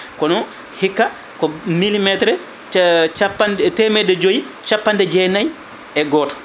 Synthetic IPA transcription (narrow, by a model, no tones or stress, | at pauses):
kɔnɔ | hikːa | kɔmilimɛtɾɛ | t͡ʃapːantɛmɛdɛd͡ʒoji | t͡ʃapːandɛd͡ʒɛːnaj | ɛɡɔːtɔ̥